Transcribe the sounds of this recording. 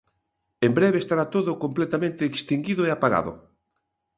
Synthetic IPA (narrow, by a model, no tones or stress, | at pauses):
embɾeβeːst̪aɾat̪oðʊkomplet̪amẽnt̪eːkst̪iŋɡiðʊeapaɣa̰ðʊ̰